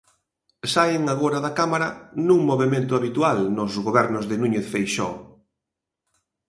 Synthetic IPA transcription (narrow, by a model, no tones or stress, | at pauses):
saɪŋaɣoɾaðakamaɾanũŋmoβemẽnt̪ʊaβit̪ualnʊzɣoβɛɾnʊzðɪnũɲeθfejʃɔ̰